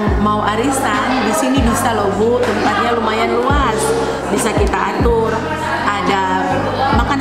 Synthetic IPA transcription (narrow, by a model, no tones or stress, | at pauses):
mauʔaɾisandisinibisalovɔt̪əmpat̪̚ɲalumajanluas | bisakit̪aːt̪ʊr | ada | maka